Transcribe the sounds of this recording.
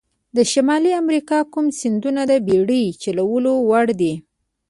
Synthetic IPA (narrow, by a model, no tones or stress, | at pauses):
d̪əʃamɑliamɾikɑkumsɪnd̪unad̪əbeɽəjt͡ʃalawəlowaɽd̪i